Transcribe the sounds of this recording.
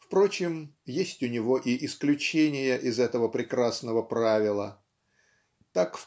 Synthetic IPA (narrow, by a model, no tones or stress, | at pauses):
fpɾo̞t͡ɕɪmjesʲtʲʊnʲɪvoʔiʔɪsklʲʉt͡ɕenʲɪjəʔɪzɛt̪əvəpɾʲɪkɾasnəvəpɾavʲɪlˠə | t̪akf